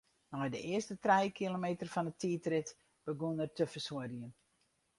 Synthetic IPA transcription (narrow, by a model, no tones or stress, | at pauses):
nɔjdəʔɪərstətrɛjkʰilomeːtərfɔnətʰiːtrɪt | b̥əɡunərtʰəfəsoədiən